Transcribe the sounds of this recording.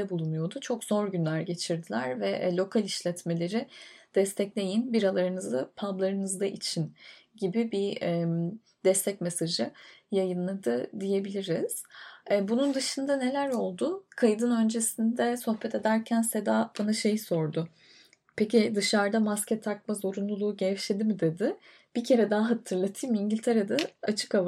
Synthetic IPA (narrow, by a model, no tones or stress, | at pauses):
ɛbulˠunujo̞d̪ut͡ʃʰo̞kz̥o̞ɾɟynlʲæɾɟe̞t͡ʃʰiɾd̪ilʲæɾvɛlʲo̞kʰalʲiʃlʲɛt̪me̞lʲe̞ɾɪd̪̥ɛst̪ʰɛclʲe̞jinbiɾalˠaɾɯnɯzd̪apʰablˠaɾɯnɯzd̪aʔit͡ʃʰinɟibibiɛ | d̪̥ɛst̪ʰɛcmesaʒɯjajɯnlˠad̪ɯd̪ije̞bilʲiɾiz̥ɛːbunund̪ɯʃɯnd̪ane̞lʲæɾo̞lˠd̪ʊkʰajd̪ɯnø̞nd͡ʒe̞sind̪ɛso̞xbɛt̪ʰe̞d̪æɾcʰænsed̪abanaʃe̞jso̞ɾd̪ʊ | pʰecid̪ɯʃaɾd̪amascʰɛt̪ʰːak̚mazo̞ɾunlˠulˠuːɟɛʃlʲed̪imid̪e̞d̪ɪ | b̥icʰe̞ɾɛd̪aaɦat̪ʰɯɾlˠat̪ʰɯjmiɲɟilʲt̪ʰe̞ɾed̪aat͡ʃʰɯ̥kava